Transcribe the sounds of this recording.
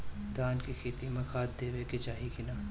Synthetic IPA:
d̪aːnkikʰeːt̪imɐxaːt̪̚d̪eːʋeket͡ʃaːɦikɪnaː

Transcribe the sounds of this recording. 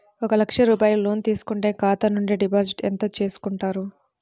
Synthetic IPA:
ɔkɐlɐkʂɐɾuːpaːjuloːnt̪iːsu̥kuɳʈe̞ːkaːt̪ɐnuɳɖiɖipaːsiʈent̪ɐːt͡ʃe̞ːsu̥kuɳʈaːɾu

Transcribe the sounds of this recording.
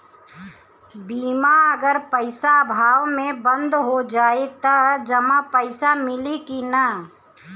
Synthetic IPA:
biːmaɐɡəɾpəɪsabʱaːʋmẽbə̃nd̪ʱɦod͡ʒaːet̪ad͡ʒɐmapəɪsamɪlikina

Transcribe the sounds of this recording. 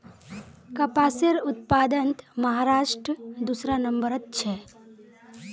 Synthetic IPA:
kɐpaːseɾʊt̪̚paːd̪ənt̪mɐɦaːɾaːʃʈɾəd̪usɾanɐ̃mbəɾɐt̪t͡ʃʰɛ

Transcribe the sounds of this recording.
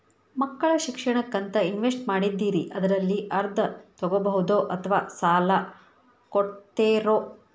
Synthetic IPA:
mɐkːɐɭɐʃikʂɐɳɐkːɐnt̪ɐinʋesʈmaːɽid̪ːiːɾiʔɐd̪ɐɾɐlːiʔɐɾd̪ʱɐt̪ɔɡobɐɦud̪oːʔɐt̪ʰɐʋaːsaːlɐ | koʈt̪eːɾoː

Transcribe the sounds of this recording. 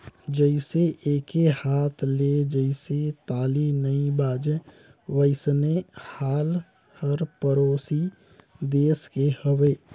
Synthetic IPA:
d͡ʒəɪseʔeːkʰehaːt̪ʰled͡ʒəɪset̪aːlinəĩbaːd͡ʒe | ʋəɪsnehaːl | həɾpəɾoːsi | d̪eːskehəweː

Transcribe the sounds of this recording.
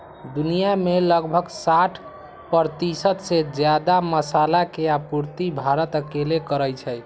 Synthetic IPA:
d̪unijameləɡbʱəɡsaʈʰ | pəɾt̪isət̪sed͡ʒjad̪aməsalakeapuɾt̪ibʱaɾət̪əkelekəɾəjt͡ʃʰəj

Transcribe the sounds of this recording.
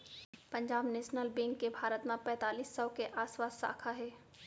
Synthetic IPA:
pɐ̃ɲd͡ʒaːbneːʃnəlbẽːŋkːebʱaːɾət̪mãpɛ̃ːt̪aːliːsːɐʋkeʔaːswaːsːa̰ːkʰaɦɛː

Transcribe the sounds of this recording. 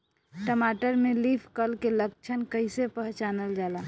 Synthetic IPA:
ʈəmaʈəɾmelipʰkəlkelək̚t͡ʃʰənkəɪsepəɦt͡ʃanəld͡ʒala

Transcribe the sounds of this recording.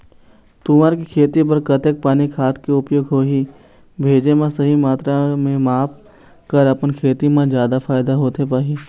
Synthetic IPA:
t̪ʊməɾkikʰeːt̪ip̬ɐɾkət̪ek̚paːnikʰaːt̪ʰkeʊpjoːɡɦoːɦi | bʱeːd͡ʒemãsɐɦimaːt̪ɾamẽmaːp | kəɾɐpənkʰeːt̪imãzjaːd̪afʰaːɪd̪aɦoːt̪epaːɦiː

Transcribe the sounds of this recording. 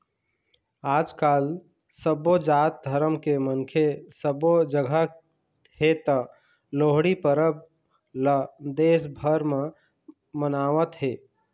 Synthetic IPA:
aːd͡ʒkaːl | səbod͡ʒat̪̚d̪ʱəɾəmkeməŋkʰesəbod͡ʒəɡʱə | het̪ə | loɦɽipəɾəb̚ | ləd̪eːsbʱəɾme | mənaːʋət̪ɦe

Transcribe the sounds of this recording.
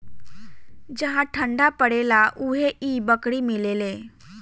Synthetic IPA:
d͡ʑəɦaʈʰəɳɖapəɽelaʔuɦeʔiːbəkɽiːmilele

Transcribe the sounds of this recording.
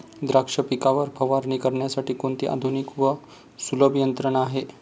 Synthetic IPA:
d̪ɾakʂəpikaʋəɾpʰəʋaɾɳikəɾɳjasaʈiːkoɳt̪ḭːʔa̰d̪ʱunikʋə | suləbjənt̪ɾəɳaɦe

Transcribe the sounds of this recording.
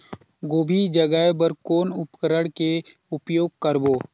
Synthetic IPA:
ɡoːbʱid͡ʒəɡaebəɾkoːnʊpkəɾəɽkeʊpjoːɡ̚kəɾboː

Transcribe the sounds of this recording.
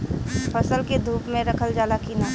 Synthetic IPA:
pʰəsəlked̪ʱuːpmẽɾɐkʰəld͡ʒaːlakina

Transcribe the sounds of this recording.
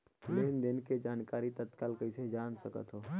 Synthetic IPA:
leːnd̪ɪnked͡ʒaːnkaːɾit̪ət̪kaːlkəɪsed͡ʒaːnsəkə̰t̪ɦoː

